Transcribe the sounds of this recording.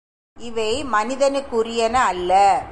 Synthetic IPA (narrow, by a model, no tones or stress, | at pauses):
ɪʋɐɪmɐnɪðɐnɯkːʊrɪjɐnɐɐlːɐ